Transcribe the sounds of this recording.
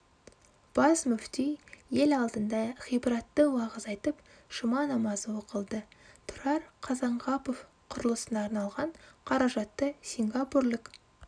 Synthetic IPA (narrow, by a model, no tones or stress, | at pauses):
b̥ɑsmʏft̪ijje̞lɑlˠd̪ənd̪ɑχijbɾɑt̪ːəwɑʁəzɑjt̪əp | ʃəmɑnɑmɑzəwo̞qəlˠd̪ət̪ʰʊɾɑɾqʰɑzɑɴʁɑpo̞f | qʰʊɾəlˠəsənɑːɾnɑlˠʁɑɴqʰɑɾɑʒɑt̪ːəsʲiŋɡaporlʲɪk